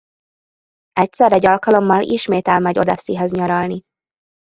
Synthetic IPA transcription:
ɛc̚sɛɾɛɟɒlkɒlo̞mːɒlʔiʃmeːt̪ɛlmɛɟo̞d̪ɒsiɦɒzɲɒɾɒlni

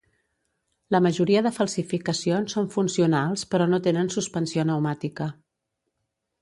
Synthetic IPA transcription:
ləməʒuɾiəðəfəlˠsifikəsionsːoɱfunsiunalˠspəɾɔnot̪enənsuspənsionəwmat̪ikə

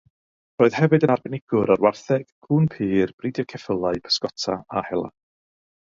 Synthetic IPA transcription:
roːɨð̥hɛvɨdənarbɛnɪɡ̥ʊɾarwarθɛɡ̥ɡʰuːnpʰiːrb̥ridjɔkʰɛfəlˠaɨpʰə̥skɔtʰaahɛlˠa̰

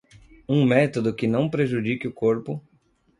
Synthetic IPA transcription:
ũmɛt̪od̪ʊkɪnɐ̃w̃pɾeʒud͡ʒikɪʊkoɾpʊ

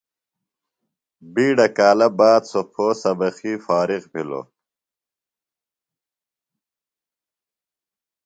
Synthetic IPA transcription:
biːɖɐkaːlɐbaːd̪sopʰoːsɐbɐxiːfaːɾiqpilo̰

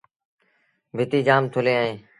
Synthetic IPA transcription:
bʱɪt̪iːd͡ʒaːmt̪ʰʊleːaːẽː

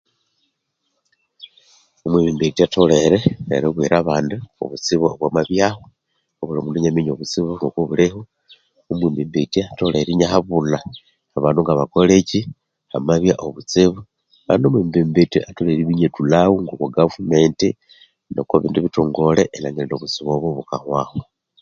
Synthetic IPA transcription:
omweβimbitiato̞le̞ɾeḛɾeβwḭɾaβaːnduo̰βut͡siβoβwamaβjaho | oβulamuːnduɲamiɲoβut͡siβuŋɡokoβuleho | umweːmbimbitiato̞le̞ɾiɲahaβula | aβaːnduŋɡaβakoleci | hamaβjaʔoβut͡siβu | βa̰ːndomwiːmbimbitiʔatoleɾiβiɲetulawuŋɡokwaɡavume̞nti | no̰kaβḭːnduβitoːŋɡo̞leʔenaŋeldoβut͡siβoβuβukahwaːhwa

